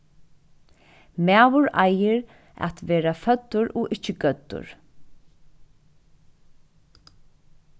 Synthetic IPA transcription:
mæːʋʊɹa̰jɪɾ | a̰t̪ʋeːɾafœt̪ːʊɹɔʔɪt͡ʃːɪɡœt̪ːʊ̰ɹ

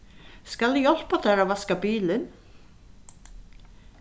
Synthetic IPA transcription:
skalɪjɔl̥pat̪aɾavaskapiːlɪn

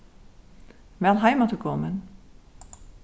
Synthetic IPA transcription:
mɛlˠɦajmatəkʰɔmən

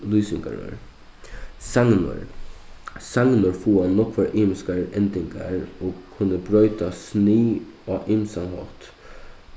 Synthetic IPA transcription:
luːsɪŋka̰ɾə̰ɹ | saŋn̰ɹ | saŋnʊɹfuːannːɔkʋɛɾʔiːmɪskaɹɛnt̪ɪŋka̰ɹoːɡkʰʊnːəbɾœʏt̪asniː | aːʔɪmsanɦɔt̪

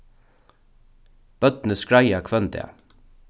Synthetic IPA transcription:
b̥œt̪nəskɹajakʰvœnt̪a̰

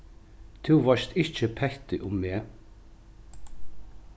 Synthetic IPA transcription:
t̪ʰʉːʋɑʃt̪ɪçəpʰɛçt̪ɪʔʊmːeː

